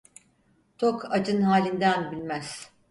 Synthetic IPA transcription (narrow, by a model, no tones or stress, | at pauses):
t̪ʰokʰad͡ʒɯnhaːlʲind̪ænbilʲmæz̥